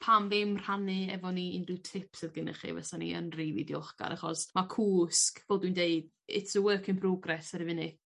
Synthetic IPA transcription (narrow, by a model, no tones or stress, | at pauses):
pʰamvɪmr̥anɨɛvɔniindɪtʰɪpsɨðɡənɛ̰χḭvɛ̰sanḭə̰nriːvḭdjɔχɡa̰ɾʔaχɔsmakʰuːskvɛːlˠdwindeɨd̥ | ɪ̰tʰsəwəkʰɪnpʰrɔɡrɛsəɾivɪnɨ